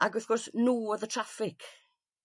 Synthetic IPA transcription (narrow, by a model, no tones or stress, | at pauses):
ʔaɡɔθkʰɔrsnuːɔðətʰr̥afɪk